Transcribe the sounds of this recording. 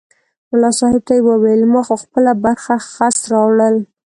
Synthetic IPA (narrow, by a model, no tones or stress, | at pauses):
mʊlɑsɑhɪb̚t̪ajwəwelmaxoxpəlabaɾxaxasɾɑwɽəl